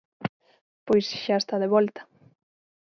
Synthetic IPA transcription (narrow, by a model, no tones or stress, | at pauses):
pojsʃaest̪aðeβɔlt̪ɐ̥